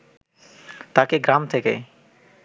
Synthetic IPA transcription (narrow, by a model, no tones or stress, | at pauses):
t̪akeɡɾamt̪ʰekḛ